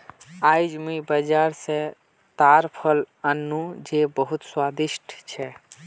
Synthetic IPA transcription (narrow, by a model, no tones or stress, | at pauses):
ajd͡ʒmibəd͡ʒaɾsẽ | t̪aɾpʰəl | ənːud͡ʒebəɦut̪swad̪iʃʈʰt͡ʃʰɛ